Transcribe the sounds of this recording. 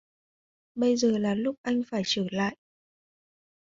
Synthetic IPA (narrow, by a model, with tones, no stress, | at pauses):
ɓə˧jzəː˨˩laː˨˩lʊ˦˥k͡p̚ʔa˧jŋ̟faː˧˩jt͡ɕəː˧˩la̰ː˧˨jʔ